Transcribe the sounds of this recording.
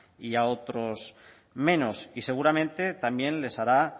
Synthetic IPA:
iao̞t̪ɾos | mẽ̞no̞sise̞ɣ̞uɾamẽ̞nt̪e̞t̪ambjẽ̞nle̞saɾa

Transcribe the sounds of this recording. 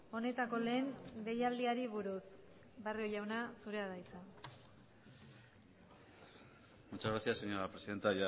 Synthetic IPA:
o̞ne̞t̪ako̞le̞ːnde̞jald̪iaɾiβ̞uɾus | bario̞jawnasuɾe̞aðajt͡sa | mut͡ʃazɣɾasiaseɲoɾapɾesiðe̞nt̪aja

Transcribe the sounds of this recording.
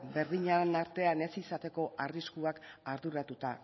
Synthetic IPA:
be̞ɾðiɲanaɾt̪e̞ane̞sisat̪e̞ko̞ʔariskuakaɾðuɾat̪ut̪a

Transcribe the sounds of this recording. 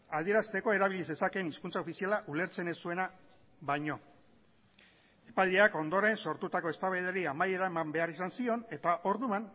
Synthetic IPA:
að̞ie̞ɾast̪e̞ko̞e̞ɾaβilise̞sakeniskunt͡sao̞fisialaʔule̞ɾt͡se̞nesue̞na | βajɲo̞ | epald̪iako̞nd̪o̞ɾe̞nso̞ɾt̪ut̪ako̞e̞st̪aβeð̞eɾiamaje̞ɾamambe̞aɾisansio̞ne̞t̪aʔo̞ɾðuman

